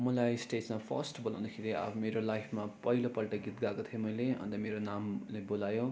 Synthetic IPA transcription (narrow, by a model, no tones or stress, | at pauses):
mʌlajsʈet͡smapʰʌ̰rsʈbolã̰w̃nd̪akʰeɾia̰pʰmeɾolajpʰmapʌilopʌlʈʌɡit̪ɡakot̪ʰijomʌjleʌ̰nd̪ʌmeɾonamlebolajõ